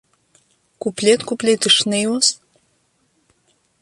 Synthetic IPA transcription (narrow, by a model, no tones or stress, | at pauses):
kuplʲet̪kuplʲet̪ɨʂnejos